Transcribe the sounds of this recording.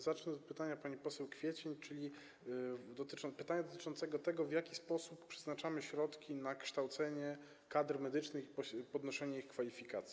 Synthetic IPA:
zat͡ʂnɛɔt̪̚pɘt̪aɲapaɲipɔsɛwkfʲjɛt͡ɕɛɲt͡ʂɘlʲi | d̪ɔt̪ɘt͡ʂɔpɘt̪aɲad̪ɔt̪ɘ̥̆t͡ʂɔnt̪sɛɡɔt̪ɛɡɔvʲjakʲispɔsupːʂɛ̥znat͡ʂamɘɕɾɔt̪kʲinakʂt̪awt̪sɛɲɛ | kad̪ɾmɛd̪ɘt͡ʂnɘxipɔpɔd̪nɔʂɛɲɛixkfalʲifʲikat̪sʲ

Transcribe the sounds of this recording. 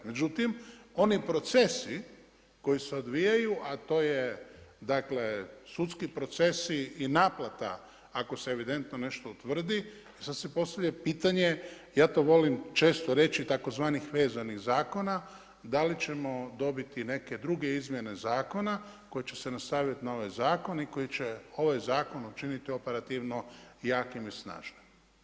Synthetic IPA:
med͡ʒut̪imo̞nipɾo̞t̪se̞si | ko̞jiseo̞d̪ʋijajuʔat̪o̞ːjed̪akle̞sut̪skipɾo̞t̪se̞siinaːplˠat̪a̰ | ako̞seːʋid̪e̞nt̪none̞ʃt̪out̪ʋr̩d̪i | isad̪sepo̞st̪aʋʎʲepiːt̪aɲe̞jaːt̪o̞ʋo̞limt͡ʃe̞ːst̪o̞ɾe̞t͡ʃit̪ako̞zʋaːnixʋe̞ːzaniɣzaːko̞na | d̪alit͡ʃe̞mo̞d̪o̞bit̪ine̞ke̞d̪ɾuɡe̞izmje̞ne̞zaːko̞nako̞jet͡ɕe̞̥senast̪aʋjit̪inao̞ʋajzaːko̞niko̞jit͡ɕe̞o̞ʋajzaːko̞nut͡ʃinit̪io̞pe̞ɾat̪iʋno̞jaːkimisna̰ːʒ̥nim

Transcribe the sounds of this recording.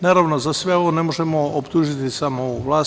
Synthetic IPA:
naːɾaʋno̞zasʋe̞oʋone̞mo̞ʒemo̞opt̪uːʒit̪isamoʋlˠaː

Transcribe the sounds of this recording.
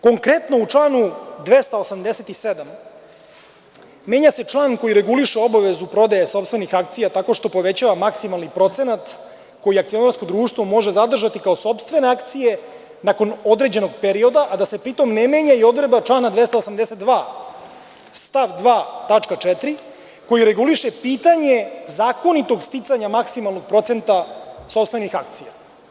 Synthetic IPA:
ko̞ŋkɾe̞t̪no̞ut͡ʂlˠaːnud̪ʋest̪aosamd̪eset̪ised̪am | e̞ːɲase̞t͡ʂlˠaːnko̞jiɾe̞ɡuliʃeo̞baʋe̞zupɾo̞d̪ajeso̞pst̪ve̞nixakt̪sijat̪ako̞ʃt̪o̞po̞ʋe̞t͡ɕaːʋamaksimalnipɾo̞t̪se̞nat̪ | ko̞jiakt̪sio̞naɾsko̞d̪ɾuːʃt̪ʋo̞mo̞ʒe̞zad̪r̩ʒat̪ikao̞so̞pst̪ʋe̞ne̞akt̪sije̞ | nako̞no̞d̪ɾe̞d͡ʑe̞no̞ɡpeɾio̞d̪aʔad̪ase̞pɾit̪o̞mnemeːɲaio̞d̪ɾebat͡ʃlˠanad̪ʋe̞st̪aosamd̪eset̪d̪ʋaː | st̪aʋd̪ʋaːt̪at͡ʂkat͡ʂɛt̪ɾi | ko̞jiɾe̞ɡuliʃepiːt̪aɲe̞zaːko̞nit̪o̞ɡst̪it̪saɲamaksimalˠnoɡ̚pɾo̞t̪se̞nt̪aso̞pst̪ve̞nixak̚t̪sija

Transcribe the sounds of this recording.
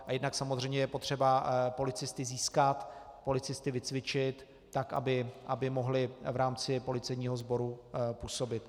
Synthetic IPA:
ʔajɛdnaksamozrɛjmɲɛjɛpo̞t̪r̝̥ɛbapo̞lɪt͡sɪst̪ɪziːskat̪ | po̞lɪt͡sɪst̪ɪvɪt͡svɪt͡ʃɪt̪ː | aka̰bɪʔabɪmo̞ɦlɪvɾaːmt͡sɪpo̞lɪt͡sɛjɲiːɦozbo̞ɾupuːso̞bɪt̪

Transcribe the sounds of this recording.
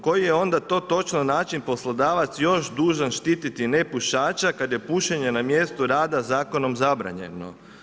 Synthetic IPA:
ko̞jijeo̞nd̪at̪o̞ːt̪o̞t͡ʃnonaːt͡ʃinpo̞slˠod̪aːʋat̪sjo̞ʃd̪uːʒanʃt̪iːt̪it̪ine̞puʃaːt͡ʃakad̪je̞puʃeɲe̞namje̞st̪uɾaːd̪azaːko̞no̞mzabɾa̰ɲe̞̰no̞̰

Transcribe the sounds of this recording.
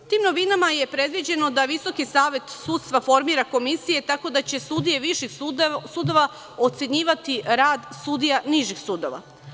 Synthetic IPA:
t̪iːmno̞ʋinamaje̞pɾe̞d̪ʋid͡ʑe̞no̞d̪aʋiso̞kisaːʋe̞t̪sut̪st̪ʋafo̞ɾmiːɾako̞misije̞t̪ako̞d̪at͡ɕe̞sud̪ije̞ʋiʃixsud̪o̞ʋa | o̞t̪se̞ɲiːʋat̪iɾaːd̪sud̪ijaniʒixsuːd̪o̞ʋa̰

